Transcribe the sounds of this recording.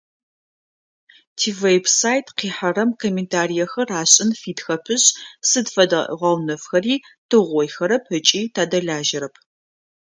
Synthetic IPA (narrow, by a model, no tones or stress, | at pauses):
tʰiːvejbsaːjtʰqiːħɐɾɐmkʰomeːntʰaːrijɐxɐraːɕʼɪnfiːtxɐpʰɨɕsɨdfɐdɐʔʁɐwnɐfxɐriː | tʰɨʁʷɔjxɐɾɐpʰɨt͡ʃʼiːtʰaːdɐɮaːʒɪɾɐpʰ